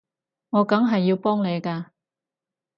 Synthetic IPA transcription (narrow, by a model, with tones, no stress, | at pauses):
ŋɔː˨˧kɐ˨˥ŋɦɐ˨jːiː˧wpɔː˥ŋne˨˧jkaː˧